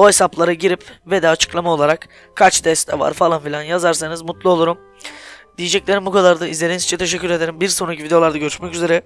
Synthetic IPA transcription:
oesaplˠaɾaɟiɾipvɛd̪ɛat͡ʃʰɯ̥klˠamao̞lˠaɾak | kʰːat͡ʃd̪ɛst̪ʰːɛva̰ɾfalˠanfilʲanjazaɾsanɯzmut̪lˠuo̞lˠuɾum | d̪ijed͡ʒɛclʲe̞ɾimbukʰad̪aɾd̪aizlʲe̞ɾinizi̥t͡ʃʰɛt̪ʰe̞ʃɛcːyɾe̞d̪e̞ɾimbiɾso̞nɾacʰivid̪eo̞lˠaɾd̪aɟø̞ɾyʃmɛcyze̞ɾɛ

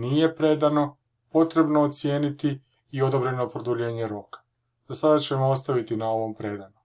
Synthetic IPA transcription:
nije̞pɾe̞d̪ano̞ | po̞t̪ɾe̞bnoːt̪sje̞ːnit̪i | io̞d̪o̞bɾe̞no̞pɾod̪uʎe̞ːɲe̞ɾo̞kḁ | z̥asad̪at͡ɕe̞moost̪aʋit̪inao̞ʋo̞mpɾe̞d̪ano

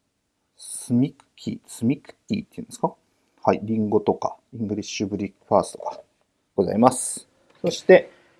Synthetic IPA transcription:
sɨmʲikɯ̥kʲʰisɨmʲikɯ̟̥t̪ʲːḭːt̪ːeiɯ̟̃neska | haiɾʲĩŋɡo̞t̪o̞ka̰ĩŋɡɯ̟ɾʲiɕi̥ɕɨbɯ̟ɾʲikɯ̥ɸaːst̪o̰ɡa | ɡ̥o̞za̰imasɨ̥ | so̞ɕi̥t̪e̞

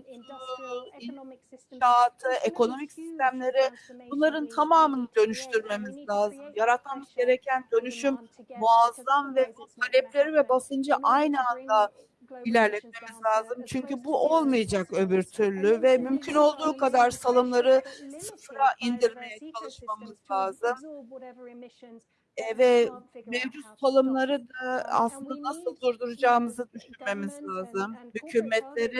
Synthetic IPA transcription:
inʃaːt̪ʰɯe̞ko̞no̞micsist̪æmlʲe̞ɾɪb̥unlˠaɾɯnt̪ʰamaːmɯnd̪ø̞nyʃt̪ʰyɾme̞mizlʲaːzɯmjaɾat̪̚mamɯzɟe̞ɾecʰænd̪ø̞nyʃymːuazːamvɛbut̪ʰalʲɛplʲe̞ɾivɛbasɯnd͡ʒaʔajnɯand̪a | ilʲæɾlʲɛt̪̚me̞mizlʲaːzɯmt͡ʃʰyɲcybuʔo̞lˠmɯjad͡ʒakø̞byɾt̪ʰyɾlʲyvɛmymcʰyno̞lˠd̪uːkad̪aɾsalˠɯmlˠaɾɯsɯfɾaʔind̪iɾme̞jɛt͡ʃʰalˠɯʃmamɯzlʲaːzɯm | ɛvɛmevd͡ʒut̪salˠɯmlˠaɾɯd̪aa̰slˠɯnd̪anasɯlˠd̪uɾd̪uɾud͡ʒaːmɯzɯd̪yʃynme̞mizlʲaːzɯmhycʰymːɛt̪lʲe̞ɾi

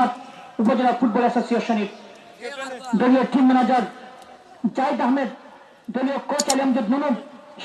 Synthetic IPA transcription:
at̪upod͡ʑonaɾfuʈ̚bɔlɛsosioʃoniɾ | d̪olioɾʈimːnad͡ʑaɾ | d͡ʑajd̪aɦmed̪ | d̪oliokot͡ɕaliomd͡ʑed̪nunumʃ

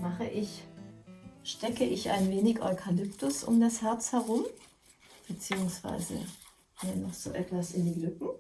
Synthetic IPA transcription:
maχəʔɪç | ʃtɛkəʔɪça̰ɪnveːnɪçʔɔʏkʰalʏptʊsʊ̰mdashɛɐt͡shɛʁ̞ʊm | b̥ət͡siːʊŋsv̥a̰ɪzə̰ | hiːɐnɔχz̥o̰ːʔɛtv̥asɪndiːlʏkŋ̩

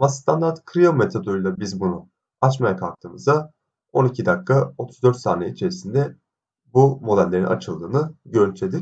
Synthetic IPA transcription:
mast̪ʰand̪aɾt̪kʰɾiome̞t̪ʰod̪ojlˠabizbunu | at͡ʃmajakʰalˠk̚t̪ʰɯːmɯzd̪a | o̞nicʰid̪akːao̞t̪ʰu̥zd̪ø̞ɾt̪sa̰ːnɛit͡ʃʰe̞ɾisind̪ɛ | bumo̞d̪ælʲːe̞ɾinʔa̰t͡ʃʰɯlˠd̪ɯːnɯɟø̞ɾynt̪ʰʲed̪ic

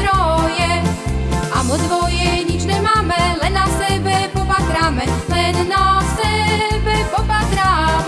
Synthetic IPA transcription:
ɾɔjɛ | ʔa̰mɔd̪vɔjɛɲit͡ʃnɛmamɛlɛnasɛbɛpɔpat̪ɾamɛlɛnːasɛbɛpɔpat̪ɾa

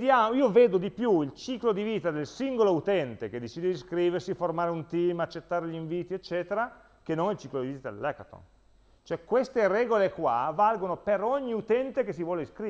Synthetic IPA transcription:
d̪jaːmoiːoveːd̪od̪ipjuilt͡ʃiːklod̪iviːt̪ad̪elsiŋɡolout̪ɛnt̪ek̟ed̪ːet͡ʃiːd̪ed̪iskɾiːversiformaːɾeunt̪iːmat͡ʃːet̪ːaːɾeʎiɱviːt̪iet͡ʃːɛːt̪eɾa | kenːonilt͡ʃiːklod̪iviːt̪ad̪ḛlːɛkat̪o̰n | t͡ʃoɛkwest̪eɾɛːɡolekwa̰valɡonopeɾoɲːiut̪ɛnt̪ekes̬ivwɔːleiskɾi

